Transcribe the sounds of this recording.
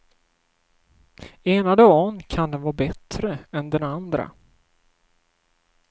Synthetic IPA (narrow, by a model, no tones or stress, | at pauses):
eːnad̪ɔɔnkʰand̪ɛnvɑːbɛt̪ɾəɛnd̪ɛnand̪ɾa̰